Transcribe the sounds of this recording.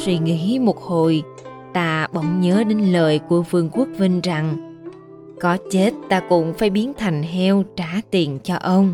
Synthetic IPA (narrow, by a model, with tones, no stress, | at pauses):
swḭ˧˩ŋḭ˧˥mo˨˩t̚ho˨˩j | t̪aː˧ɓə˨˧˦wŋ͡mɲəː˨˦ɗe˨˧˦nləː˨˩jku˧˩əfɨ˧əŋku˦˥ək̚vi˧ŋ̟za˨˩ŋ | kɔ˨˦t͡ɕe˦˥t̚t̪aː˧kʊ̰˧˥ŋ͡mfaː˧˩jɓi˨˦ənt̪ʰa˨˩jŋ̟ɦɛ˧wt͡ɕaː˧˩t̪i˨˩ənt͡ɕɔ˧ʔə˧wŋ͡m